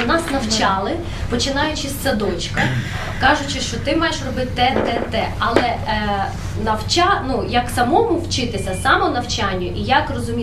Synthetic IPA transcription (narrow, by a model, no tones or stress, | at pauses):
nɑsnɐwt͡ʃɑlˠɪ | pɔt͡ʃɪnɑjʊt͡ʃɪsʲsɐd̪ɔt͡ʃkɐ | kɑʒʊt͡ʃɪʃt͡ʃɔt̪ɪmɑjeʃrɔbɪt̪ɪt̪ɛt̪ɛt̪ɛɐlˠɛ | nɐwt͡ʃɑnujɐksɐmɔmʊwt͡ʃɪt̪ɪsʲɐsɑmɔnɐwt͡ʃɑnʲːʊʔijɐkrɔzʊmʲi